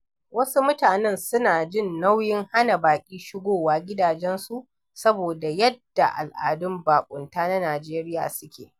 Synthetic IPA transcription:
wɐ˦su˦mʊ˦taː˨nɛ˦nsʊ˦naː˨d͡ʒɪ˦˨nːa˦wjɪ˦ŋha˦na˨baː˨kʲʼiː˦ʃɪ˦ɡʷoː˦˨waː˦ɡʲɪ˦daː˨d͡ʒɛ˦nsu˦ʔ | sɐ˦boː˨da˨jɛ˦d̥ːa̰˨ʔa̰˨lʔa̰ː˨dʊ˦mbaː˨kʷʼʊ˨ntaː˦na˦naː˨d͡ʒeː˦ɾɪ˦ja̰ː˨sʊ˦kʲḛː˨

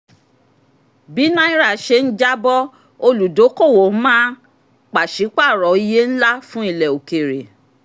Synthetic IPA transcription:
bi˨˦nã˦i˦ɾa˦˨ʃe˧n̩˦d͡ʒa˦bɔ˦ | o˧lu˨do˨˦ko˦˨wo˨˦mãː˦ | k͡pa˨ʃi˨˦k͡pa˦˨ɾɔ˨˦i˧je˦n̩˦la˦fũ˦i˦˨lɛ˨o˨ke˨ɾe˨

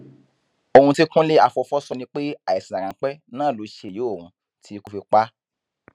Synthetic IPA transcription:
o˧hũ˧ti˦kũ˦le˦a˧fɔ˧fɔ˦sɔ˧nĩ˧k͡pe˦a˦˨ɛ˨sĩ˨ã˨ɾã˨˦k͡pɛ˦nãː˦˨lo˨˧˦ʃe˨je˨˦o˦˨ũ˧ | tʰi˨˦ku˧fi˧k͡pa˦

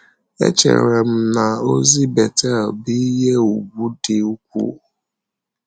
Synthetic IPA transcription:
ḛ˦t͡ʃḛ˨ɾḛ˨ɾe˨m̩˦na˨o˦zi˦be˨te˦˨bi˦ɦe˦u˨ɡu˦dɪ˨u˦kʷṵ˦˨

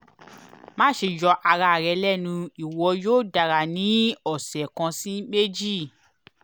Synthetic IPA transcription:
mã˦ʃe˧jɔ˧ʔa˧ɾa˧˨ɾɛ˨˧lɛ˦˨nũ˧i˨wɔ˧joː˦˨da˨ɾa˨nĩ˨˦ɔ˦˨sɛ˨kã˧sĩ˦me˦d͡ʒi˦˨

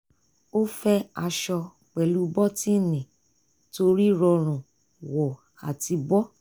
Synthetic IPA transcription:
o˦fɛ˦a˧ʃɔ˧ | k͡pɛ˨lu˨˦bɔ˦ti˦˨nĩ˨ | to˧ɾi˦ɾɔ˧ɾ̃ũ˨ | wɔ˨ | a̰˨ti˧bɔ˦

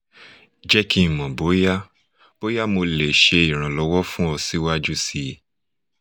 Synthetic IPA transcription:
d͡ʒɛ˦kʰi˧˨mɔ̃˨bo˨˦ja˦ | b̥o˨˦ja˦mo˧le˨ʃe˧i˨ɾ̃ã˨lɔ˧˦wɔ˦fũ˦ɔ˧si˦wa˦d͡ʒu˦si˧˨

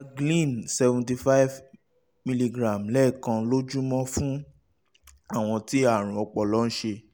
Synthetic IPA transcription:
ɡlĩ˦˨nsɛ˧vũ˨ti˧fa˦i˦v | mi˧li˧ɡɾa˨mlɛ˦˨kã˧˦lo˦d͡ʒũ˦mɔ̃˦fũ˦ | a˦˨w̃ɔ̃˧ti˦a˦˨ɾ̃ũ˨ɔ˧k͡pɔ˨lɔ˨˦ñ̩˦ʃe˧

